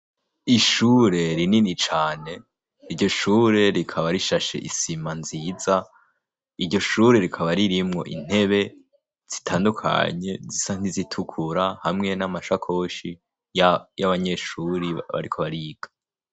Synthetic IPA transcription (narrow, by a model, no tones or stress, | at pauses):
iʃuːɾe̞ɾininit͡ʃaːne̞ | iɾɟo̞ʃuːɾe̞ɾikʰaβaɾiʃaʃe̞̰ʔisimanziːza | iɾɟo̞ʃuːɾe̞ɾikʰaβaɾiɾimŋo̞̰ʔḭn̥he̞βe̞ | z̥itʰaːndukʰa̰ɲe̞zisan̥izitʰukʰuɾahamŋe̞namaʃakʰo̞ʃi | jajaβaɲe̞ʃuɾiβa̰ɾikʰo̞βaɾiːɡ̥ḁ